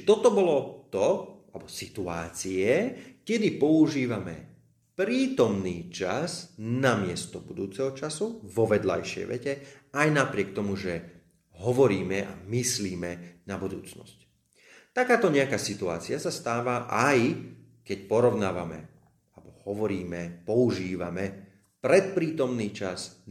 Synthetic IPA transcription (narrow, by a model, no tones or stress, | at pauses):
t͡ʃt̪ɔt̪ɔbɔlɔt̪ɔalbɔsit̪uaːt͡siɛkɛd̪ipɔuʒiːʋamɛ̰ | pɾiːt̪ɔmniːt͡ʃasnamɪɛst̪ɔbud̪uːt͡sɛɦɔt͡ʃasuʋɔʋɛd̪la̰jʃɪɛ̰jʋɛ̰cɛajnapɾɪɛk̚t̪ɔmuʒɛ | ɦɔʋɔɾiːmɛʔa̰misliːmɛnabud̪ṵːt͡snɔ̰sc | t̪akaːt̪ɔɲɛakaːsit̪ua̰ːt͡siasast̪aːʋaʔaj | kɛcpɔɾɔʊnaːʋa̰mɛ̰ | albɔhɔʋɔɾiːmɛpɔuʒiːʋa̰mɛ | pɾɛt̪̚pɾiːt̪ɔmniːt͡ʃaz